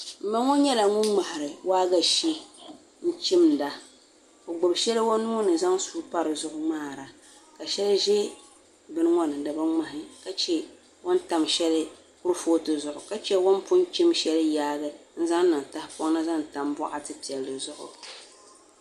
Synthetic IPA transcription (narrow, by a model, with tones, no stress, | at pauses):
m̩˦mba˦ŋɔ˦ɲɛ˦la˨ŋʊ˦ŋ͡ma˨hɪ˨ɾɨ˨waː˦ɡa˨ʃi˦ | n̩˦t͡ʃɪ˦mn̩˨da˨ | o˨ɡ͡bʊ˨bʃɛ˦lɨ˦wo˦nːu˦nɨ˨za˦ŋsuː˦pa˦ɾɨ˨zʊ˦ʔʊ˦maː˦˨ɾa˨ | ka˨ʃɛ˦lʒɛ˦ | bɨ˦nɨ˦ŋɔ˦nɨ˨dɨ˨ba˦ŋ͡ma˨hɪ˨ka˦t͡ʃɛ˦ | wo˦nta˨mʃɛ˦lɨ˦ | kʊ˦ɾfoː˦tɨ˨zʊ˨ʔʊ˨ka˦t͡ʃɛ˦wo˦npʊ˦n˦t͡ʃɪ˦mʃɛ˦lɨ˦jaː˦ɡɨ˦n̩˦za˦ŋ˦nɨ˨ŋ˨ta˦hɪ˦pɔ˦ŋ˦nɨ˦za˦n˨ta˨mbɔ˦ʔa˨tɨ˦pi˨ɛ˨ldɨ˨zʊ˦ʔʊ̰˨